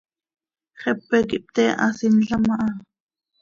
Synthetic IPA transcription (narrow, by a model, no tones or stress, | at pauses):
χɛpːɛkiʔp̚t̪ɛʔɑsinɬɑmɑʔɑ